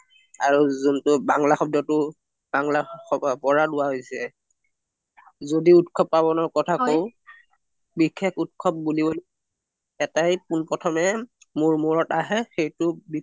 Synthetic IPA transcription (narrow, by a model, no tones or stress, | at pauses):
aɹuzuntʊbaŋlaxɔb̚dɔtʊ | baŋlaxɔpɔɹadʊwaɦojsɛ | zodiutkʰɔpːabɔnɔɹkɔtʰakow | bikʰːekʰut̚kʰɔp̚bulibol | ɛtajpunpɔtʰɔmɛ | mʊɹmuɹɔtaɦɛxejtʊbi